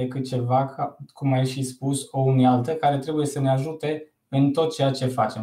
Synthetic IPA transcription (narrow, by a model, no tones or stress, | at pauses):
ekɨt̪̚t͡ʃe̞vakkumajʃispuso̞unialt̪əkaɾe̞t̪ɾe̞buje̞səneaʒut̪e̞ | ɨnt̪o̞t̪̚t͡ʃe̞jat͡ʃe̞fat͡ʃe̞m